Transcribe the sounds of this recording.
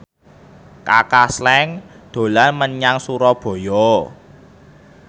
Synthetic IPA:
kakaslɛŋ | d̪̥o̤lanməɲaŋsuɾɔb̥o̤jɔ

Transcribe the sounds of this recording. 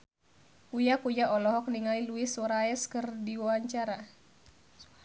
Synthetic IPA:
kujakujaɔlɔɦɔk̚niŋailuisɔɾaɛskɨrdiwawaɲt͡ʃaɾa

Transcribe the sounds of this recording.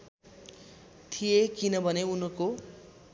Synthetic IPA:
t̪ʰijekinʌbʱʌneunʌko

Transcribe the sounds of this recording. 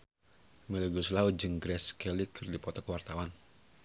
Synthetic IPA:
mɛləɡuslaud͡ʒɨŋɡɾɛskɛlikʰɨrdipɔt̪ɔkwart̪awan

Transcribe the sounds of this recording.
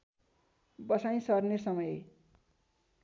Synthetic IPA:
bʌsaj̃sʌrnesʌmʌj

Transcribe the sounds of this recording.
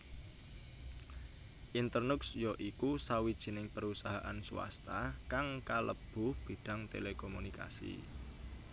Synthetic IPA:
ʔint̪ərnʊksjoʔikusawid̥ʒ̥i̤nɪŋpəɾusaɦaʔansuwa̰st̪akaŋkalə̰b̥ʊ̤hb̥e̤ɖ̥a̤ŋt̪ḛlekomunika̰sḭ

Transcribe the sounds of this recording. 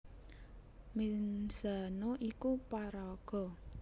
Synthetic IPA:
minsanoʔikupaɾaɡ̥ɔ̤

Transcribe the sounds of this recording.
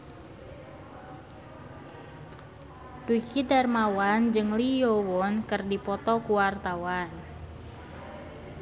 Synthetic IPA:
d̥ukidarmawand͡ʒɨŋlijowɔnkərdipɔt̪ɔkuwart̪awan

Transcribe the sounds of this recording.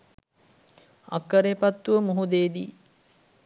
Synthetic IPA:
ɐ̰kːəɾepat̪ːuʋəmuɦud̪eːd̪i

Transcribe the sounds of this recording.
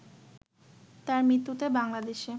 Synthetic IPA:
t̪aɾmɾit̪ːut̪ebaŋlad̪eʃe

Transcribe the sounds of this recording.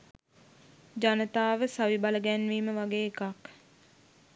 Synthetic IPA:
d͡ʒanət̪aːʋəsaʋibaləɡɛnʋiːməʋaɡeːkak

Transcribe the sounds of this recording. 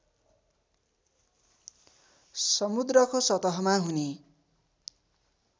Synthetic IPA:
sʌmud̪rʌkosʌt̪ʌɦʌmaɦune

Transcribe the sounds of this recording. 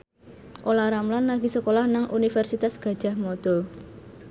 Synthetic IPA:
ʔolaɾamlanːaɡisəkolahnaŋʔunifɛrsit̪asɡ̥ä̤d̥ʒ̥a̤hmɔd̪̥ɔ̤

